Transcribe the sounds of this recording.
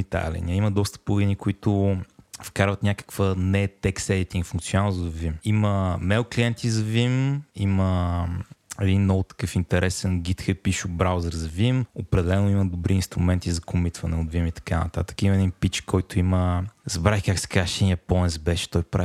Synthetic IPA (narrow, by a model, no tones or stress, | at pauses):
it̪a̰lʲḭnʲaiməd̪ɔst̪ə̥poɡ̪inikʊit̪ʊfkaɾvət̪nʲakə̥kvənɛt̪ɛksɛd̪it̪iŋɡfũŋkt̪sionanzɐd̪ɐvvimiməmɛʊkliɛnt̪izɐvimimə | ɛd̪inːɔvʊt̪ɐ̥kɤfint̪ɛɾɛsɛnɡit̪xəpiʃʊbɾawzəɾzɐvimopɾɛd̪ɛlɛnoiməd̪obɾiːnst̪ɾʊmɛnt̪izɐkʊmit̪vɐnɛod̪vimit̪ɐ̥kanɐ̰t̪a̰t̪ə̥kiməɛd̪inpit͡ʃkʰɔjt̪ʊiməzɐbɾakaksɛ̥kaʃɛnjɐpɔnɛsbɛʃɛ̥t̪ɔjpɾa